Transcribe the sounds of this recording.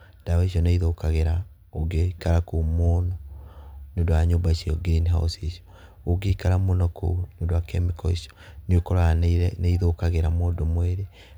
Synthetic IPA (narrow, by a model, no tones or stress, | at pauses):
d̥awɛiʃɔneiðokaɣeɾa | oɡekaɾakomonɔ | nodowaɲombaʃɛoɡeɾiniɦa̰o̰siʃɔ̥ | oɡeikaɾamonɔko̰neoːndowakɛmikɔiʃɔ̥nokɔɾanneiðokaɣeɾamwoːndomwɛɾe